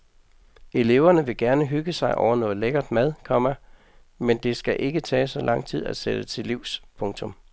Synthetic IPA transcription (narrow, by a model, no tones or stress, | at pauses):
e̝le̝ʊ̰ɐnəʋe̝ɡ̥æɐnəɦyɡ̥əsɑ̈ɪʔɒʊɐnɔ̽ːð̩ˠleɡ̥ɐd̥mæð̞ˠkʰɒ̽mæ | mend̥e̝sɡ̥æʔe̝ɡ̥ət͡sʰɛ̰ːsɒ̽lʔɑ̈ŋ̰t͡sʰið̞̰ˠæ̥sed̥ət͡sʰe̝liʊ̰spʰɔ̽ŋt͡sʰɔ̽m